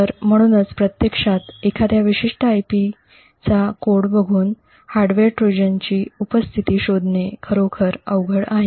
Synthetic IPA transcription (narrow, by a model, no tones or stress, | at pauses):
əɾm̤əɽ̃uːnət͡spɾət̪jekʂat̪ekʰat̪jaʋiɕiʂʈəajpi | t͡sakoɽbəɡʱuːn | haɾɖʋeɾʈɾud͡ʑənt͡ɕiːupəst̪ʰit̪iːɕod̪ʱnekʰəɾokʰəɾə̰ʋɡʱəɭaɦe